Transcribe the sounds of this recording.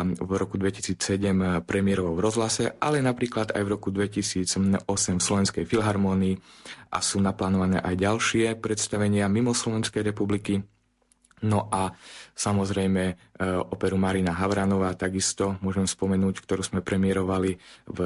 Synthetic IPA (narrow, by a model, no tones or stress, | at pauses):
vɾɔkud̪ʋɛcisiːt͡sːɛɟɛmpɾɛmɪjɛɾɔʋɔʊvɾɔzɦlasɛʔa̰lɛnapɾiːklad̪a̰jvɾɔkud̪ʋɛcisiːd͡zɔsɛmfslɔʋɛnskɛjfilɦaɾmɔːniːʔa̰suːnaplaːnɔʋanɛ̰ːʔajɟalʃɪɛpɾɛt̪st̪aʋɛɲɪamimɔslɔʋɛnskɛjɾɛpubliki | nɔʔasamɔzɾɛjmɛɔpɛɾumaɾinaɦaʋɾanɔʋaːt̪aɡist̪ɔmʊɔʒɛmspɔmɛnuːckt̪ɔɾuːzmɛpɾɛmɪɛɾɔʋaliv